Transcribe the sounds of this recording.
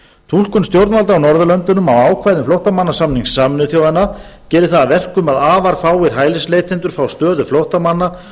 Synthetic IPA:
t̪ʰul̥kʏnst̪jowɾt̪valt̪aːwnɔɾðʏlœnt̪ʏnʏmawaːwkʰvajðʏmflowht̪amanːasamniŋsːaːmɪnʏθjoːwðanːa | cɛːɾɪθaavɛr̥kʏmaðaːvaɾ̥faːwɪɾ̥ɦaːjlɪsleːjt̪ʰɪnt̪ʏɾ̥fɾawst̪œːðʏflowht̪amanːa

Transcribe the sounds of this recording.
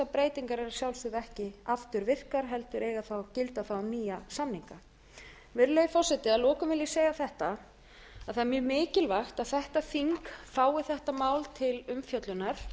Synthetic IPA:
apɾeːjt̪iŋkaɾɛɾasjawlsɪðɛhcɪaft̪ʏɾvɪr̥kaɾ̥ɦɛlt̪ʏɾʔeːjɣaθawcɪlt̪aθawamniːjasanniŋka | vɪɾlejfɔr̥sɛt̪ɪalɔːkʏmvɪljɪseːjɣaθɛht̪a | aðθamjʏːmɪːcɪlvaxt̪aðθɛht̪aθiŋkfaːwɪθɛht̪amaːwlt̪ʰɪlʏmfjœt̪lʏnaɾ̥

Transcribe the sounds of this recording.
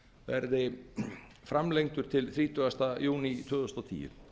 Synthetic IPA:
vɛɾðɪ | fɾamlejŋt̪ʏɾ̥t̪ʰɪlθɾiːt̪ʰœast̪ajuːnit̪ʰœːðʏst̪at̪ʰḭːɪ̰

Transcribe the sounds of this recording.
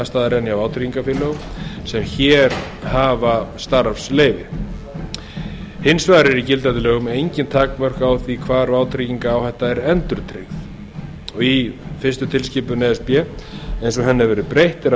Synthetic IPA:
ast̪aːðaɾɛnjavaːwt̪ʰɾiciŋkafɪlœsɛmçɛːɾ | haːvast̪aɾfsleːjvɪ | hɪnsvaːðɾɪɾicɪlt̪at̪ɪlɛːɣʏmejɲcɪnt̪ʰaːkmœr̥kawθvikʰvaːɾvaːwt̪ʰɾiciŋkaːwθɛht̪ːaɛɾɛnt̪ʏɾt̪ʰɾeɣθ | ɔɣifɪrst̪ʏt̪ʰɪlscɪːpʏnɛɛspjɛejnsɔɦɛnːɪvɛːɾɪpɾejht̪ɪɾa

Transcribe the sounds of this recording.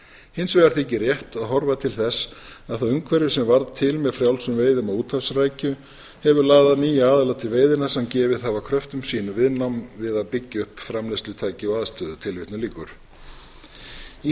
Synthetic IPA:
hɪnsvɛɣaɾ̥θecɪrjɛht̪aðɦɔɾvat̪ʰɪlθɛsaðθawʏŋkʰvɛɾjʏsɛmvaɾðt̪ʰɪlmɛðfɾjawlsʏmveːjðʏmaðuːt̪hafsraːjcʏ | hɛvʏɾlaːɣðaðniːjaaːðalat̪ʰɪlveːjðɪnasɛmcɛːvɪðhavakʰɾœft̪ʏmsiːnʏvɪðnamvɪðapɪcːʏhpfɾamlest̪lʏt̪ʰaːjcɪɔaðst̪œːðʏt̪ʰɪlvɪt̪nʏliːkʏɾ̥ | i

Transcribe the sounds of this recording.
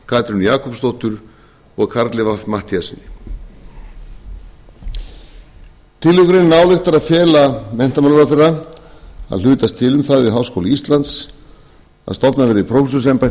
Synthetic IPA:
kʰaːt̪ɾʏnjaːkʰɔpst̪owht̪ʏɾ̥ | ɔɣkʰaɾt̪lɪvafmaht̪iasɪnːɪ | t̪ʰɪlːʏkʏɾɪnːaːwlɛxt̪aɾaðfjɛːlamɛn̥t̪amalɾaθera | a̰ðlʏːt̪ast̪ʰɪlʏmθaðvɪðɦawskowlɪist̪lant̪s | a̰ðst̪ɔpnavɛːɾɪpʰɾowsʏs̬ɛmpa

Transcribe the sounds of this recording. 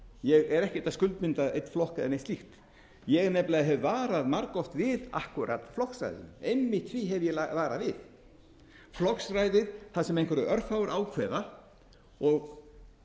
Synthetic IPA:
jɛɣɛɾɛhcɛt̪askʏlt̪mɪnt̪aʔejt̪flɔhkaðɛ̰nːest̪lixt̪ | jɛɣnɛplaðɦɛvːaːɾaðmaɾkɔft̪vɪða̰hkuɾa̰t̪flɔksra̰jðɪ̰nmejmːɪht̪ʰθviɦɛvjɛlavaːɾavɪð | flɔksrajðɪðθaðsɛmejnkʰvɛɾʏʔœɾ̥faːwʏɾʔaːwkʰv̥ɛːða | ɔɣ

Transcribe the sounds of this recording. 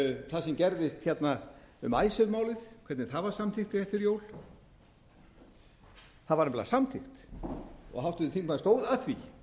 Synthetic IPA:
θasɛmcɛɾðɪst̪çɛt̪naʏmaːjsʏðmaːwlɪðkʰvɛɾt̪nɪθaðvaɾ̥samt̪ʰɪxt̪ɪɛht̪fɪɾjoːwl | θaðvaɾnampɛlːa̰samt̪ʰɪxt̪ | ɔ̰ɣɦaft̪ʏðɪt̪iŋkmaðst̪oːwðaðθvḭ

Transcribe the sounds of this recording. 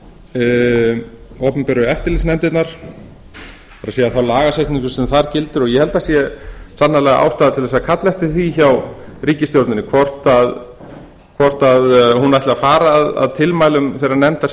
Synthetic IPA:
oːpʏmpɛːɾʏɛft̪ɪɾlisnɛmt̪ɪt̪naɾ̥ | paɾaseːjaθawlaːɣasast̪nĩŋkʏsɛmθaɾcɪlt̪ʏɾɔjɛhɛlt̪asjɛsanːalɛɣaʔa̰ːwst̪aːðat̪ʰɪlvɛsakʰat̪lɛht̪ɪθiçawɾiːcɪst̪jowɾt̪nɪnɪkʰvɔr̥t̪að | kʰvɔr̥t̪aðhunaht̪lɪafaːɾaːða̰ðt̪ʰɪlmaːjlʏmθejɾaɾnɛmt̪a

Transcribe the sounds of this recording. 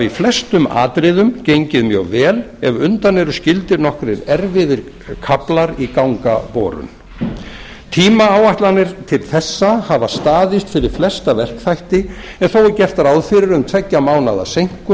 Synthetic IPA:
ɾiflɛst̪ʏma̰ːt̪ɾɪðʏmcejɲcɪðmjœ̰ɣvɛːl | ɛ̰vʏnt̪anːɛɾʏscɪlt̪ɪɾnɔhkɾɪɾɛɾvɪðɪɾ | kʰaplaɾikawŋka̰pɔːɾʏ̰n | t̪ʰiːmaawajht̪lanɪɾ̥t̪ʰɪlθɛsːahavast̪aːðɪst̪fɪɾɪɾ̥flɛst̪avɛr̥kθajht̪ɪ | ɛnθowɛɾcɛfr̥t̪aɾawðfɪɾɪɾʏmt̪ʰvɛcːamaːwnaða̰sejŋ̥kʏ

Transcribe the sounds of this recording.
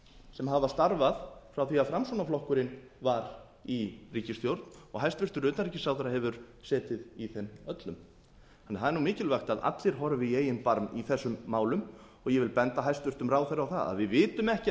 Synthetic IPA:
sɛmɦavast̪aɾvaðfɾawθiaðfɾamsunaflɔhkʏɾɪn | vaɾ | iriːcɪst̪jowɾt̪n̥ɔɣɦajst̪vʏr̥t̪ʏɾʏːt̪aɾicɪsaːwθɾahɛvʏɾ̥sɛːt̪ɪðiθɛnːœt̪lʏm | hanːɛθaðɛɾnumɪːcɪlvajxt̪aða̰t̪lɪɾ̥ɦɔɾvɪeːjɪnpaɾmiθɛsːʏmːaːwlʏm | ɔɣjɛvɪlpɛnt̪aɦajst̪vʏr̥t̪ʏmraːwθɛɾawθa̰ða̰ðvɪðvɪːt̪ʏmɛhcɪ

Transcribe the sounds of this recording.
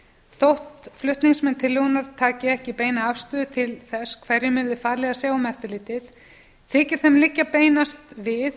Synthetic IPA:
θowht̪flʏht̪niŋsmɛnt̪ʰɪlːiɣunaɾ̥t̪ʰaːcɪɛhcɪpeːjnaafst̪ʏːðʏt̪ʰɪlθɛskʰvɛɾjɪmɪɾðɪfaːɾlɛɣasaːɣʊmɛft̪ʏliːt̪ɪθ | θɪːcɪɾ̥θɛmlɪcːapeːjnast̪vɪð

